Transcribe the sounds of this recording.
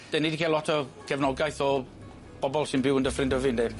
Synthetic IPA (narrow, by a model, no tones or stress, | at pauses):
d̥enidikʰiːlɔtʰɔkʰɛvnɔɡajθɔ | b̥ɔbɔlˠsɪnbɪwəndəfrɪndəvɪndɛ